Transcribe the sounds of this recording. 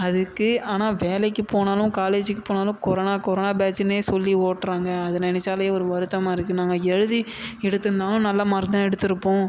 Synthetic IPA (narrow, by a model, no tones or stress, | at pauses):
ɐðɯkːɯaːnaːʋeːlɐɪkːɯpoːnaːlʊ̃kaːleːd͡ʒɪkːɯpoːnaːlʊ̃kɔɾoːnaːkɔɾoːnaːbaːsɪneːsɔlːioːʈːɾaːŋɡɐɐðɯnɪnɛt͡ʃːaːlɐjeːɔɾɯʋɐɾɯt̪ːɐmaːɪɾɯkːɯnaːŋɡɐɛɻɯði | ɛɽɯt̪ːɯnd̪aːlʊ̃nɐlːɐmɐɾɯd̪ãːɛɽɯt̪ːɪɾɯpːõː